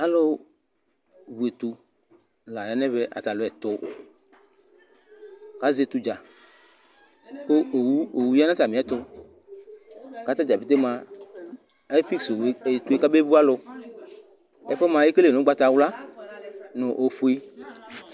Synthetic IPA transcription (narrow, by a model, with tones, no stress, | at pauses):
a˦lo˦ | wu˨e˨t̪u˧ | la˨ja˨˦nɛ˦βɛ˦ʔa̰˨t̪a˨lo˨ɛ˨t̪ʊ˨ | ka˦ze˨t̪u˨d͡ʒa˨ | ko˦˨wu˦o˨wu˨˦ja˦nã˦ta˨mi˨ɛ˨˦t̪ʊ˧ | ka˨˦t̪a˦d͡ʒa˨be˨t̪e˦mã˨ | ɛ˦fi˦kse˨t̪u˨˦e˦˨ka˦be˦bu˦a˦lʊ˧ | ɛ˦fɔ˦mã˨je˦ke˦le˨nʊ̃˨˦ɡ͡ba˦t̪a˨wla˦ | nʊ̃˨ʔo˨ɸu˦i˦